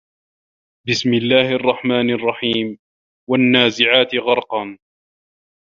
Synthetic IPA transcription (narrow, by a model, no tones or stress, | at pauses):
bɪsmɪlːaːhɪʔɑrˤːɑħmaːnʔɑrˤːɑħiːm | wanːaːzɪʕaːt̪ɪɣɑɾˤqɑn